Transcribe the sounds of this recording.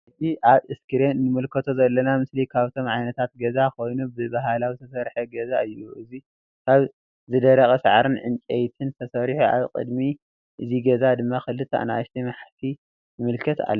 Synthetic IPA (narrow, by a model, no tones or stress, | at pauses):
ʔɨt̪ʰiʔaβʔɨskʰɨɾenːɨmɨlkʰɐt̪ʰo̞zɐlːɐnamɨslikʰaβt̪ʰo̞mʕajnɐt̪ʰat̪̚ɡɐzako̞jnubɨbaɦalawit̪ʰɐsɐɾħeɡɐzaɨjːuʔɨzi | kʰaβ | zɨd̪ɐɾɐxʼɐsaʕaɾɨnʕɨnt͡ʃʼejt̪ʰɨnt̪ʰɐsɐɾħuʔa̰βkʼɨ̰d̪mi | ʔɨziɡɐzad̪ɨmːaxɨlːɨt̪ʰa̰ʔna̰ʃt̪ʰimaħt̪ʰi | jɨmɨlkʰɐt̪a̰lː